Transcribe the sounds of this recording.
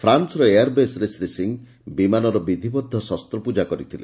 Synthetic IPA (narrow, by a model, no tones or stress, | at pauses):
pʰɾansɔɾɔeaɾbesɾesɾesiŋ | bimanɔɾɔbid̪ʱibɔd̪ʱːɔsɔst̪ɾɔpud͡ʒakɔɾit̪ʰilḛ